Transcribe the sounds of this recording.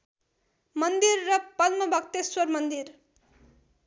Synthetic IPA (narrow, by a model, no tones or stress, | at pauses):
mʌnd̪irːʌpʌlmʌbʱʌk̚t̪eswʌɾmʌnd̪iɾ